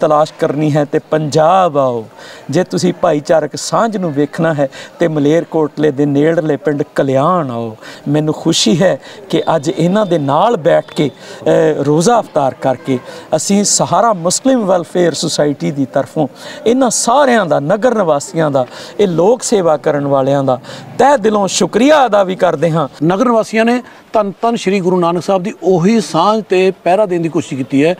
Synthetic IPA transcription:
t̪əlaːʃkəɾniːɦɛːt̪eːpəɲd͡ʒaːbaːoːd͡ʒeːt̪ʊsĩːpaːiːt͡ʃaːɾəksãːd͡ʒnũːʋeːkʰnaːɦɛːt̪eːməleːɾkoːɾʈleːd̪eːneːɽleːpəɳɖkəljaːɳaːoːmɛ̃ːnũːxʰʊʃiːɦɛːkɪʔəd͡ʒɪnãːd̪eːnaːlbɛːʈʰkeː | ɾoːzaːəpʰt̪aːɾkəɾkeːəsĩːsəɦaːɾaːmʊslɪmʋɛlpʰeːəɾsʊsaːɪʈiːd̪iːt̪əɾpʰõːɪnãːsaːɾjãːd̪aːnəɡəɾnəʋaːsijãːd̪aːeːloːkseːʋaːkəɾəɳʋaːljãːd̪aːt̪ɛːd̪ɪlõːʃʊkɾijaːəd̪aːʋiːkəɾd̪eːɦãːnəɡəɾnəʋaːsijãːneː | t̪ənt̪ənʃəɾiːkɡʊɾuːnaːnəksaːb̚d̪iːoɦiːsãːd͡ʒt̪eːpɛːɾaːd̪ɪːnd̪iːkoːʃikiːt̪iːɛː

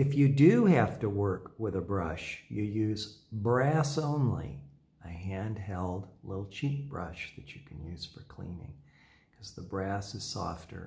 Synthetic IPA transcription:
ɨfjɨdɨhæftəwɜ˞kwɪðəbɹʌʃjɨjʉzbɹæsõʊ̃nlḭ | ɨɦæ̃nd̚ɦɛlˠdlɪɾl̩ˠt͡ʃʰit̚b̥ɹʌ̰ʃðɨt͡ʃɨkʰɨ̃n̩jʉz̥fə̰˞kʰl̥ḭ̃nɪ̰̃ŋ | kʰʌzðəbɹæsɨz̥sɔ̰ftə̰˞

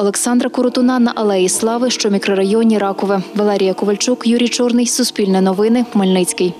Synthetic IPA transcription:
ɔlˠeksɑnd̪ɾɐkʊɾʊt̪ʊnɑnɐʔɐlˠɛjislˠɑʋɪʃt͡ʃɔmʲikɾɔɾɐjɔnʲiɾɑkɔʋɪʋɐlˠɛɾʲijɐkʊʋɐlʲt͡ʃukjuɾʲijt͡ʃɔrnɪjsʊspʲilʲnɛnɔʋɪnɪmɐlʲnɪt͡sʲkɪj

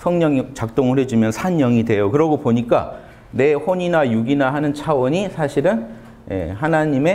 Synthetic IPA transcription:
sʰʌŋɲʌŋit͡ɕak̚t͈oŋɯɭhwe̞d͡ʑumjʌnsʰaɲːʌŋidwe̞jokɯɾʌɡopoɲik͈a̰ | ne̞ɸoɲinajuɡinaɦanɯnt͡ɕʰawʌɲisʰaɕʰiɾɯn | jḛhanaɲime̞

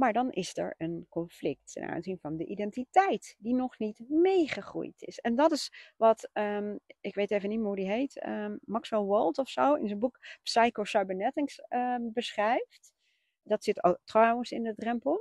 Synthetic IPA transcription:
maːɹdɑnʔɪ̰sɛ̰ɹənkɔnflɪk̚tɛ̰na̰nzinvɑndəʔidɛntitɛjtdinɔχnitmejχəχrṵjtʰɪ̰sɛndɑtɪsʋɑtəɪkʋejtejvənitmaɹɦudiɦejtə̰mɑksʋɛlˠwɔlˠtɔfsowɪ̰nzənbuksɑjkosɑɥbənɛtɪŋsəbəsχrɛjft | dɑtsɪto̰trawənsɪndədrɛmpəlˠ

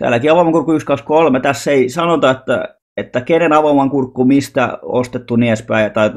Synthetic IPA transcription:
t̪æ̰ːlːækiɑʋɑmɑŋkurkːuykskɑkskolmet̪æsːeisɑnot̪ɑet̪ːæ̰ | et̪ːækenenɑʋɑmɑŋkurkːumist̪æ̰ost̪et̪ːuniæspæiɑt̪ɑi

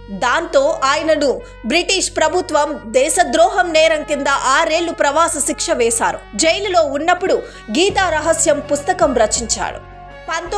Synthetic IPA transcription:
d̪aːnt̪o̞ːʔaːjɐnɐnu | bɾiʈiːʂpɾɐbʱut̪ʋɐmd̪ɛːʃɐd̪ɾɔːɦɐmnɛːɾɐŋkind̪ɐʔaːɾe̞ːɭːupɾɐʋaːsɐʃikʂɐʋɛːsaːɾṵd͡ʒejlulo̞ːunːɐpːuɽu | ɡiːt̪aːɾɐɦɐsjɐmpust̪ɐkɐmɾɐt͡ʃiɲt͡ʃa̰ːɽṵ | pɐnt̪

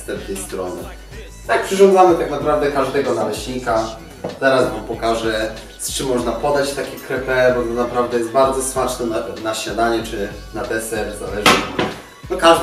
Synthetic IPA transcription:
st̪ɛlt̪ʲɛjst̪ɾɔ̰nɘ̰ | t̪ak̚pʂɨʐɔ̃ndzamɘt̪aknapɾavd̪ɛkaʐd̪ɛɡɔnalɛɕɲika | zɛɾasmampɔkaʐɛ | st͡ʂɘmːɔʐnapɔd̪at͡ɕt̪akʲɛkɾɛpɛbɔt̪ɔnapɾavd̪ɛjɛst̪̚baɾd̪zɔsmat͡ʂnɛnanaɕad̪aɲɛt͡ʂɘnat̪ɛsɛɾzalɛʐɘ | nɔka

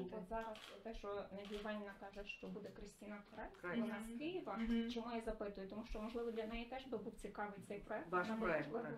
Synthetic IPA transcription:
b̪ɔzɑɾɐst̪ɛʃt͡ʃɔnɐbʲiʋɑnʲɪnɐkɑʒɛʃt͡ʃɔbud̪ɛkɾɪsʲtʲinɑpɔɛkɔnɑskɪjɪʋɐt͡ʃɔmujazɐpɪt̪ʊjʊt̪ɔmuʃt͡ʃɔmɔʒlˠɪʋɔd̪lʲɐnɛjit̪ɛʒbɪbuwt͡sʲikɑʋɪjt̪ɛjpɾɔɛk̪nɑbɛʒbɪ

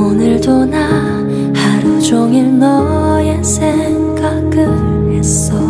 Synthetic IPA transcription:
onɯɭdona | haɾud͡ʑoŋinːʌ | jesʰeŋɡak͈ɯ | hes͈ | ʌ

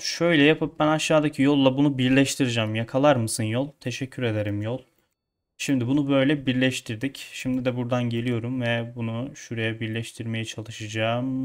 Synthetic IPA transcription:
ʃø̞jlʲɛjapʰɯp̚bænaʃːaːd̪acʰijo̞lˠːabunubiɾlʲɛʃt̪ʰiɾid͡ʒamjakʰalˠaɾmɯsɯnjo̞lˠt̪ʰe̞ʃɛcʰːyɾe̞d̪eɾimjolˠ | ʃimd̪ibunubø̞jlʲɛbiɾlʲɛʃt̪ʰiɾd̪icʃimd̪id̪ɛbuɾd̪anɟe̞lʲijo̞ɾumvɛbunuʃuɾejɛbiɾlʲɛʃt̪ʰiɾme̞jɛt͡ʃʰalˠɯʃad͡ʒaːm

